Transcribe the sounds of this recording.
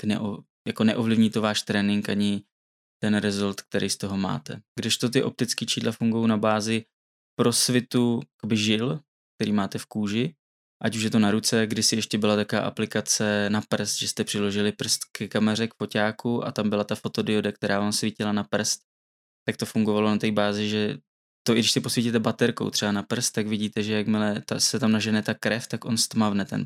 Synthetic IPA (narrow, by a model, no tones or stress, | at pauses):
knɛ̰ʔo | jako̞nɛʔo̞vlɪvɲiːt̪ovaːʃt̪ɾɛːnɪŋkʔaɲɪ | t̪ɛnɾɛzolt̪k̚t̪ɛɾijst̪o̞ɦo̞ma̰ːt̪ɛ̰ɡdɪʃt̪o̞t̪ɪʔo̞̰p̚t̪ɪt͡skiːt͡ʃiːdlʔafuŋɡujownabaːzɪ | pɾo̞svɪt̪ukbɪʒɪl | k̚t̪ɛɾiːmaːt̪ɛfkuːʒɪ | ʔacuʃjɛt̪o̞naɾut͡sɛɡdɪsɪjɛʃcɛbɪlat̪akova̰ːʔa̰plɪkat͡sɛnapr̩st̪ʒɛst̪ɛpr̥ɪlo̞ʒɪlɪpr̩st̪kɛkamɛrɛkfo̞caːkuʔa̰t̪ambɪlat̪afo̞t̪o̞dɪodakt̪ɛɾaːvaːmsvɪcɪlanapr̩st̪ | t̪ːak̚t̪o̞fuŋɡo̞valo̞nat̪ɛjbaːzɪʒɛ | t̪oʔɪɡdɪʃsɪpo̞svʲicit̪ɛbat̪ɛɾkowt̪r̥ɛbanapr̩st̪̚t̪ːaɡvɪɟiːt̪ɛʒɛjakmɪlɛt̪asɛt̪amnaʒɛnɛt̪akːɾɛft̪akʔo̞nst̪mavnɛt̪ɛ̰n